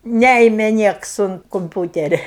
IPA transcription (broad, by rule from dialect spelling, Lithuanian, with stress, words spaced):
ˈnʲæɪmʲɛ ˈnʲiɛks ʊnt koːmʲˈpʲuːtʲɛrʲɛ